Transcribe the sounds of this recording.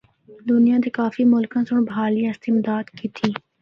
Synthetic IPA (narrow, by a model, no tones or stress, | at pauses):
d̪ʊnijãd̪ikaːfimʊlkãsʊɽ̃baːliãɪst̪ɪmd̪aːd̪kiːt̪ʰiː